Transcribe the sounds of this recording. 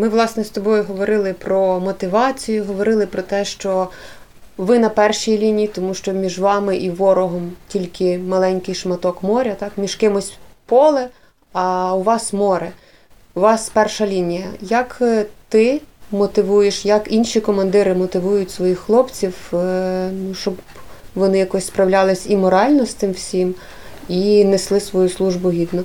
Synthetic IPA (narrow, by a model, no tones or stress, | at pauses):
mɪʋlˠɑsnɛst̪ɔbɔjʊɦɔʋɔɾɪlˠɪpɾɔmɔt̪ɪʋɑt͡sʲijʊɦɔʋɔɾɪlˠɪpɾɔt̪ɛʃt͡ʃɔ | ʋɪnɐpɛrʃijilʲinʲijit̪ɔmuʃt͡ʃɔmʲiʒʋɑmɪʔiʋɔɾɔɦɔmtʲilʲkɪmɐlˠɛnʲkɪjʃmɐt̪ɔkmɔɾʲɐt̪ɑkmʲiʃkɪmʊsʲpɔlˠɛ | ɐʊʋɑsmɔɾɛ | uʋɑspɛrʃɐlʲinʲijɐjɐkt̪ɪmɔt̪ɪʋujeʃjɐkinʃʲikɔmɐnd̪ɪɾɪmɔt̪ɪʋujʊtʲsʋɔjixxlˠɔpt͡sʲiw | nuʃt͡ʃɔb | ʋɔnɪjɐkɔsʲspɾɐwlʲɑlˠɪsʲimɔɾɑlʲnɔst̪ɪmwsʲim | ineslˠɪsʋɔjuslˠuʒbʊɦʲid̪nɔ